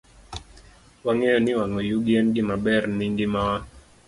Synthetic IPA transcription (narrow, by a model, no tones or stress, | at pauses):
waŋɛɔniwaŋɔjuɡianɡimaɓɛɾniŋɡimawa